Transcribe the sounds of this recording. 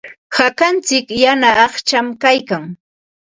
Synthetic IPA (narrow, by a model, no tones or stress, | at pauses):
hakant͡sɪkjanaːχt͡ʃamkajkaŋ